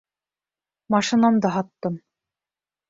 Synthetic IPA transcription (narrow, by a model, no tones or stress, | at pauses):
mɑʃɤ̆nɑmd̪ɑɦɑt̪ːɤm